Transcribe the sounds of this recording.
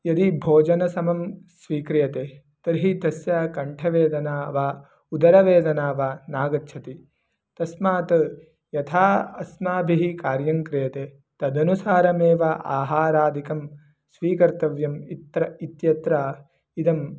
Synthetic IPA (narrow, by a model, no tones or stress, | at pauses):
jɐd̪ibʱoːd͡ʒɐnɐsɐmɐmsʋiːkɾijɐt̪eː | t̪ɐɾɦid̪ɐsjakɐɳʈʰɐʋeːd̪ɐnaːʋaː | ud̪ɐɾɐʋeːd̪ɐnaːʋaːnaːɡɐtːʃʰɐt̪i | t̪ɐsmaːt̪ɐ | jɐt̪ʰaːɐsmaːbʱiɦikaːɾjɐŋkɾɪjɐt̪e | t̪ɐd̪ɐnusaːɾɐmeːʋaːʔaːɦaːɾaːd̪ʱikɐm | sʋiːkɐɾt̪ɐʋjɐmit̪ːɾɐit̪jɐt̪ɾaː | id̪ɐm